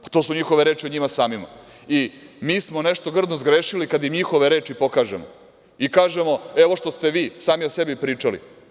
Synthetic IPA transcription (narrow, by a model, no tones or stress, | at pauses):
pḁt̪o̞ːsuɲixoʋeɾe̞ːt͡ʃioɲimasaːmima̰ | imiːsmo̞neʂt̪o̞ɡr̩d̪nozɡɾeːʃilikad̪jimɲixo̞ʋeɾe̞ːt͡ʃipo̞kaːʒḛmo̰ | ikaːʒemo̞eʋoʂt̪o̞st̪e̞ʋiːsaːmiosebipɾiːt͡ʂalḭ